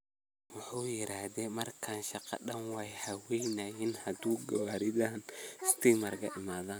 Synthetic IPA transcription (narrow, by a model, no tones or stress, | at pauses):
wʊħuːjɪɾaːhðɛmɐrkʰaːnʃɑqɑ̰ɗɐnwaːjhɐwɛjnajɪnhɐd̪uːɡɐwɐɾɪd̪aːnst̪ʰiːmɐrɡɐ̰ʔɪmaːða